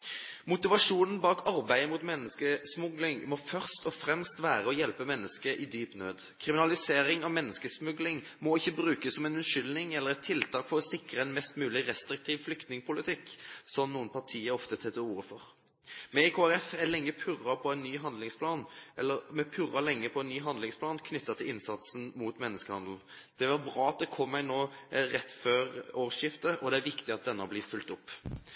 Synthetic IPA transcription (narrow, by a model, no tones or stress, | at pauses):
mʊt̪ɪʋɑʂuːnən̩bɑːkʰɑɾbæɪəmʊt̪mɛnːəskəsmʊɡlɪŋmɔfœʁst̪ɔfɾɛmst̪ʋæːʁəɔjɛlpəmɛnːəskəʔɪd̪yːpnø̰ːd̪ | kʰʁɪmɪnɑlɪseːɾɪŋɑʋmɛnːəskəsmʉɡlɪŋ | mɔɪçːəbʁʉːkəsːɔmɛnʉʂʏlnɪŋɛlːəʁɛt̪ʰɪlt̪ʰɑːkfɔʁɔsɪkʁəɛnmɛst̪mʉːlɪʁɛst̪ɾɪk̚t̪ʰiːʋflʏkt̪nɪŋpʰʊlɪt̪ʰɪkːsɔnnuːənpʰɑʈʰiːəɔft̪ət̪ʰɛt̪ːəuːʁəfɔʁ | mɛɛkʰoæɾɛfælɛŋːəpʰʉʁːɑpʰɔɛnnːyːɦɑnd̪lɪŋspʰlɑːnʔɛlːəɾmɛpʰʉʁɑlɛŋːəpʰɔɛnːyːɦɑnd̪lɪŋspʰlɑːnkʰnʏt̪ːɑt̪ʰɪlɪnsɑt̪sn̩muːt̪mɛnːəskəhɑnd̪l̩ | d̪̥ɛʋɑɾbʁɑːɑt̪̚d̪ɛkʰɔmːæɪnoːʁɛt̪ːføːɾoːʁʂjɪft̪əʔɔd̪ɛæʋɪkt̪ɪɑt̪̚d̪ɛnːəɑblɪːfʉlt̪ʊpː